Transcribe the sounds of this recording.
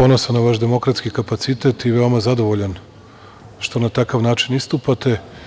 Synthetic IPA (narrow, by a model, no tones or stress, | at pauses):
po̞nosanaʋaʃd̪e̞mo̞kɾat̪skikapat̪sit̪et̪iʋeo̞mazad̪o̞ʋo̞ʎan | ʃt̪o̞nat̪akaʋnaːt͡ʃinist̪upat̪e̞